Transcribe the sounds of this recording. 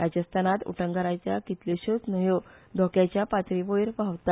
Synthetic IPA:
ɾad͡ʑəst̪ʰanat̪ṵʈʰə̃ŋɡaɾat͡ɕjakit̪leɕot͡snəɦjod̪ʱɔkjat͡ɕjapat̪ɾiʋojɾpaʋt̪a

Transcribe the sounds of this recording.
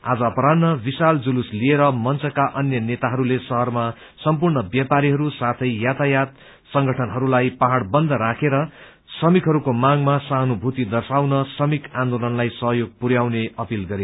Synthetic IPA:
a̰d͡zʌːpʌɾanːʌbisald͡zuluslieɾʌmʌnt͡sʌkaʔʌnjʌnet̪aɦʌɾulesʌɦʌrma | sʌmpurɳʌbjapaɾiɦʌɾusat̪ʰʌjjat̪ʰajat̪̚ | sʌŋɡʌʈʰʌnɦʌɾulajpaɦaɽbʌnd̪ʱʌɾakʰeɾʌ | sʌmikʰɦʌɾukomaɡmasanobʱut̪id̪ʌrsawnʌsʌmikʰãnd̪olʌnlajsʌɦjoɡ̚puɾjawneʌpilɡʌɾe

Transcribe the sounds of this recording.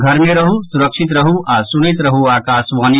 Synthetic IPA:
ɡʱɐɾmẽɾɐɦusʊɾəkʃɪt̪̬ɾɐɦuʔaːsʊnit̪ɾɐɦuaːkaːsʋaːni

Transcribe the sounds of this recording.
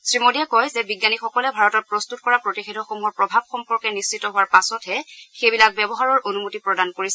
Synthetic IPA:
sɹimodiɛkɔjzɛbiɡjanixɔkɔlɛbʱaɹɔtɔt̚pɹɔstutkɔɹapɹotixedʱɔxomuɦɔɹpɹɔbʱab̚xɔmpɔɹkɛnist͡ʃitɔɦʊwaɹpasɔtɦɛxejbilak̚bɛbɔɦaɹɔɹonumutipɹɔdankoɹisɛ

